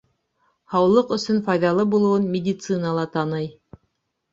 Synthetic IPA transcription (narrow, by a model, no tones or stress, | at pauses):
hɑwlˠɤqɵ̆sɵnfɑjðɑlˠɤbulˠɤ̆wɤnmʲɪdʲit̪sɨnəlˠɑt̪ɑnɤj